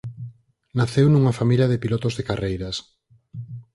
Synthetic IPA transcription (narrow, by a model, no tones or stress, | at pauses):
naθewnuŋɐfamiljɐðepilɔt̪ozðekarejɾɐs